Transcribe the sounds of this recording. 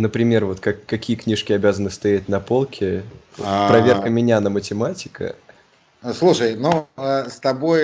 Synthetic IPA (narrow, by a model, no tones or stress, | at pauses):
nəpɾʲɪmʲe̞rvo̞t̪kɐkːɐkʲʰijəknʲiʂkʲɪɐbʲazənɨst̪ɐjæt̚ʲnɐpo̞lˠkʲʰɪ̰ | pɾɐvʲe̞kəmʲɪnʲanəmətʲɪmatʲɪkʰə̰ | slˠuʂəjnuəst̪ɐbo̞j